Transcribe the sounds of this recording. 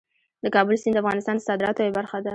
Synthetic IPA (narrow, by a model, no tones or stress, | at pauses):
d̪əkɑbəlsind̪əafɣɑnɪst̪ɑnd̪əsɑd̪ɪɾɑt̪oebaɾxad̪a